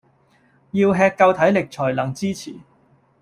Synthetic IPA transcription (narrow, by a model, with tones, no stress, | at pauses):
jiː˧wɦɛː˧kːɐ˧wt̪ʰɐ˨˥jlɪ˨k̚t͡ʃʰɔː˨˩jlɐ˨˩ŋt͡siː˥t͡sʰḭː˨˩